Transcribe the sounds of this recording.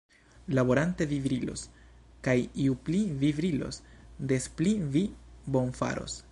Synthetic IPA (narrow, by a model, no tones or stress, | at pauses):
labo̞ɾante̞vivɾilo̞̰s | kajiuplivivɾilo̞̰sde̞splivibo̞nfa̰ɾo̞̰s